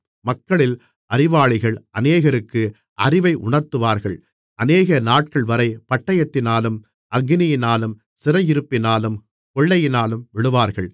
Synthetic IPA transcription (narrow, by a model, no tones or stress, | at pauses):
mɐkːɐɭɪl | ʔɐɾɪʋaːɭɪɣɐɭʔɐneːɣɐɾɯkːɯ | ʔɐrɪʋɐɪʔʊ̰ɳɐɾt̪ɯʋaːɾɣɐɭ | ʔɐneːɣɐnaːʈ̚kɐɭʋɐɾɐɪpɐʈːɐjɐt̪ːɪnaːlɯm | ʔɐɡɪnɪjɪnaːlɯm | sɪɾɐjɪɾɯpːɪnaːlɯm | pɔɭːɐjɪnaːlɯmʋɪɽɯʋaːɾɣɐɭ